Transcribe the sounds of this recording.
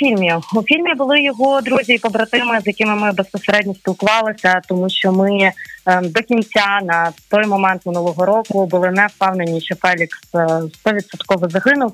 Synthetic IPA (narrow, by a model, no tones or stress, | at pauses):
fʲilʲmʲiufʲilʲmʲibʊlˠɪjɔɦɔd̪ɾuzʲiipɔbɾɐt̪ɪmɪzjɐkɪmɪmɪbespɔseɾɛdʲnʲisʲpʲilˠkʊʋɑlˠɪsʲɐt̪ɔmuʃt͡ʃɔmɪ | d̪ɔkʲinʲt͡sʲanɐt̪ɔjmɔmɛnt̪mʲɪnulˠɔɦɔɾɔkʊbʊlˠɪnɛst̪ɑwnenʲiʃɛfɛlʲiksst̪ɔʋʲit̪sɔt̪kɔʋɔzɐɦɪnʊw